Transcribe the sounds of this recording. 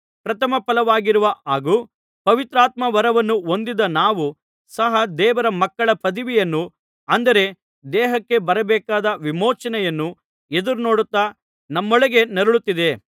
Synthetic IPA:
pɾɐt̪ʰɐmɐpɐlɐʋaːɡiɾuʋɐʔaːɡuː | pɐʋit̪ɾaːt̪mɐʋɐɾɐʋɐnːuo̞nd̪id̪ɐnaːʋu | sɐɦɐd̪ɛːʋɐɾɐmɐkːɐɭɐpɐd̪iʋijɐnːu | ɐnd̪ɐɾe̞ | d̪ɛːɦɐkːe̞bɐɾɐbɛːkaːd̪ɐʋimɔːt͡ʃɐnɛjɐnːu | ed̪uɾuno̞ːɽut̪ːaː | nɐmːoɭɐɡe̞neɾuɭut̪ːid̪e̞

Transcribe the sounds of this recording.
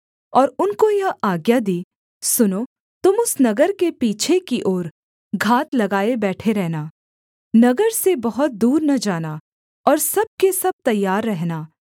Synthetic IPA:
ɔːɾʊnkojɐaːɡjad̪iː | sʊnoː | t̪ʊmʊsnɐɡəɾkepiːt͡ʃʰekiʔoːɾ | ɡʱaːt̪lɐɡaːebɛːʈʰeɾɛɦnaː | nɐɡəɾsebɐɦʊt̪̚d̪uːɾnɐd͡ʒaːna | ɔːɾsɐb̚kesɐb̚t̪ɐjːaːɾːɛɦnaː

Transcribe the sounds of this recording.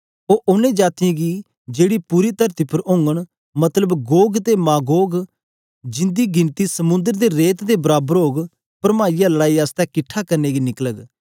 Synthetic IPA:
oːʔʊnẽːd͡ʒaːt̪ɪjãːɡiː | d͡ʒeːɽiːpuːɾiːt̪əɾt̪iːpʰəɾʊ̃ːŋɡəɳ̃ | mət̪ləbɡoːɡt̪eːmãːɡoːɡ | d͡ʒɪ̃nd̪iːɡɪnt̪iːsəmʊ̃nd̪əɾd̪eːɾeːt̪d̪eːbəɾaːbəɾoːɡ | pəɾmaːijaːləɽaːiːaːst̪ɛ̃ːkɪʈʰːaːkəɾneːɡiːnɪkləɡ

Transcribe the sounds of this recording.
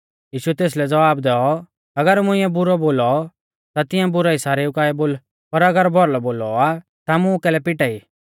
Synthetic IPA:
jiːʃuɛt̪eːs̬lɛd͡zɐʋaːbd̪ɛːɔ | ɐɡəɾmʊ̃ɪ̃jɛ̃bʊɾɔboːlɔ | t̪at̪ɪjãbʊɾaisaːɾɛʊkaːɛboːl | pɐɾɐɡəɾbʱɔɾlɔboːlɔa | t̪amʊ̃kɛːlɛpɪʈaiː

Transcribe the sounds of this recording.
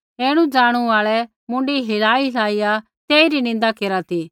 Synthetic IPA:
eːɽ̃ũd͡ʒaːɽ̃ũaːɭɛ | mʊ̃ɳɖiɦɪɾaːilaːija | t̪eːiɾinɪ̃nd̪akeːɾat̪iː

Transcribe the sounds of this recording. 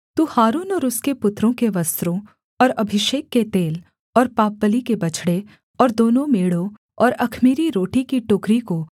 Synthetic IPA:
t̪uːhaːɾuːnɔːɾʊskepʊt̪ɾõkeʋɐst̪ɾõ | ɔːɾɐbʱɪʃeːkːet̪eːl | ɔːɾpaːp̚ːəlikebɐt͡ʃʰɽe | ɔːɾd̪oːnõmeːɽo | ɔːɾɐkʰmiːɾiɾoːʈikiʈʊkɾiko

